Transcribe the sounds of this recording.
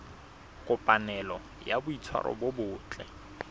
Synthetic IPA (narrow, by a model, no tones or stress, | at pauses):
kʼʊpʼanɛlɔ | jabʊit͡sʰwa̰ɾɔ̰bobʊːt͡ɬʼɛ